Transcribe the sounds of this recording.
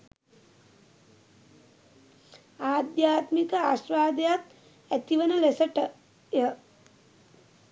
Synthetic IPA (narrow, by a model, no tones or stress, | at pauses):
aːd̪jaːt̪mikəaʃɾaːd̪əjak | æt̪iʋənəlesəʈə | jə